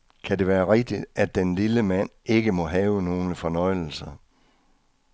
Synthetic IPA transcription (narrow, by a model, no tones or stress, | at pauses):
kʰæde̝ʋæːɐʁeɡ̥̚d̥id̥æd̥ːenliləmæn̰e̝ɡ̥əmɒ̽ɦɛːʊəno̝ːləfɒ̽nɒ̽ɪ̰l̩sɐ